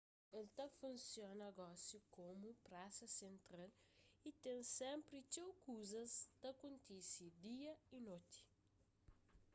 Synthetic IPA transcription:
elt̪ɐfũnsjonɐɡɔsjukomupɾasɐsẽnt̪ɾalit̪ẽŋsɛ̃mpɾit͡ʃewkuzɐst̪ɐkũnt̪isid̪iɐinot̪i̥

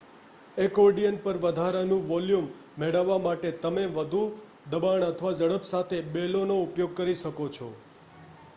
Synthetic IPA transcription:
ekɔɾɖijənpəɾʋəd̪ʱaɾanũʋɔljumː | eɽəʋːamaʈet̪əmeʋəd̪ʱu | d̪əbaɳət̪ʰəʋad͡ʒəɽəpsat̪ʰebelonoupjoɡ̚kəɾiʃəkot͡ʃʰo

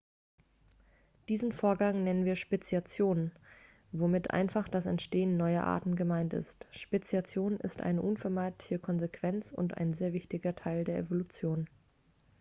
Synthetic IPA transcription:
d̥iːzn̩foːɐɡaŋnɛnənviːɐʃpet͡siat͡sjoːn | vomɪtʔa̰ɪnfaχd̥asɛ̰ntʃteːənːɔʏɐ̰ʔa̰ːɐtn̩ɡəmaɪntɪ̰stʃpet͡sjat͡sjoːnɪ̰stʔa̰ɪnəʔʊnfɛɐmaɪtlɪçəkʰɔnzekv̥ɛnt͡sʊ̰ntʔa̰ɪnzeːɐvɪçtɪɡɐtʰaɪldeːɐʔḛvolut͡sjoːn

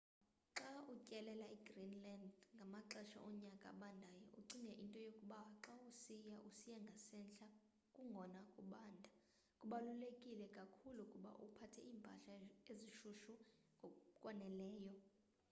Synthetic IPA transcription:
ǁaucʼɛlɛlaiɡrinlandŋɡʱamaǁɛʃa̰ʔɔɲakʼa̰ɓandʱajɔʔuǀiŋɡʱɛʔintʼɔjokʼuɓaǁausijaʔusijaŋɡʱasɛnɬʼa | kʼuŋɡʱɔnakʼuɓaːndʱa | kʼuɓalulekʼilɛkʼakʰulukʼuɓa̰ʔupʰatʰɛiːmpʼaɬaeziʃuʃu | ŋʱɔkʼwanɛlɛːjɔ

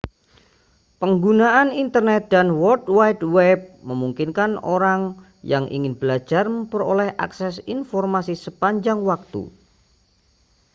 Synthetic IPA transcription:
pəŋɡunaʔanint̪ərnɛt̪̚danwɔdwajtwɛp̚məmuŋkinkano̰ɾaŋ | jaŋʔḭŋɪnbəlḁd͡ʒ̥arməmpəɾo̰lɛha̰ksɛsinfɔrmasisəpaɲd͡ʒaŋwak̚t̪ṵ

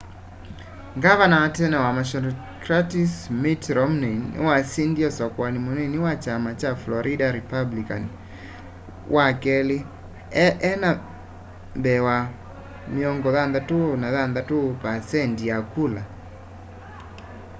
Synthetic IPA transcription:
ŋɡaβanawatɛnɛwamaʃɔnɔ | kɾatismitɾɔmnenɪ̰wasindiɔsɔkwanimunɛniwat͡ʃamat͡ʃaflɔɾʔidaɾipablikan | wʔakɛle | ʔɛna | mbɛwa | miɔŋɡɔðanðatunaðanðatupasɛndijakula

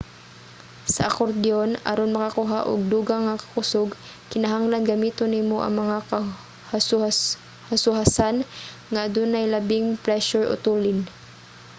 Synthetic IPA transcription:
sɐʔakoɾd̪ɪonɐ̰ɾonmɐkakʊɦaʔʊ̰ɡ̚d̪uːɡaŋakɐ̥kʊsʊɡ | kɪnɐɦaŋlanɡɐmiːt̪onɪmoʔɐ̰ŋmɐŋaka | hasʊ | hasʊɦasan | ŋad̪unajlɐbɪŋpɾɛʃʊɹʔʊ̰t̪uːlɪn

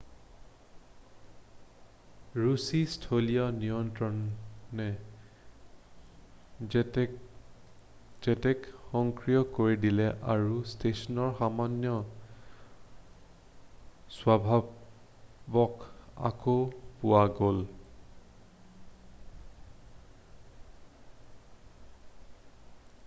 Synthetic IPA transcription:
ɹusistʰolijɔnijɔntɹɔnnɛ | zɛtɛkxɔŋkɹijɔkoɹidilɛʔaɹustesɔnɔɹxamanjɔ | swabʱa | bɔka̰kopʊwaɡol

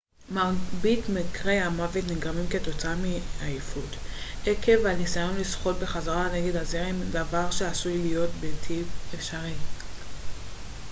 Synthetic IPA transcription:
mabitmikʁe̞jamavet̪niɡʁamimketo̞t͡saamiajifuteke̞vanisajo̞nlisχo̞t̚be̞χazaʁane̞ɡe̞dazeʁimdavaʁʃe̞asujlijo̞tbetʰipefʃaʁi

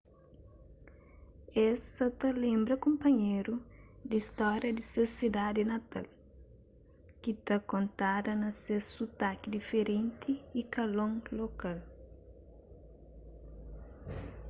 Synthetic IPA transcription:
ɛsɐt̪ɐlẽmbɾɐkõmpɐɲeɾud̪ist̪ɔɾjɐd̪isesid̪ad̪inɐt̪a̰l | kit̪ɐkõnt̪ad̪ɐnɐsesut̪akid̪ifeɾẽnt̪ʰiːkɐlõŋlokal

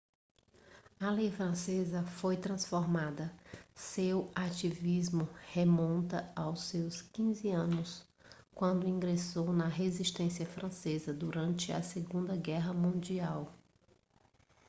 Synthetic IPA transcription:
ɐlejfɾɐ̃sezɐfojt̪ɾɐ̃sfoɾmad̪ɐsewat͡ʃivizmʊhemõnt̪ɐawsewskĩzɪɐ̃nʊs | kwɐ̃nd̪ʊĩŋɡɾesownɐɦeziʃt̪ẽsiɐfɾʔɐ̃sezɐd̪uɾɐ̃nt͡ʃɪɐ̰seɡũnd̪ɐɡɛɦɐmũd͡ʒiaw

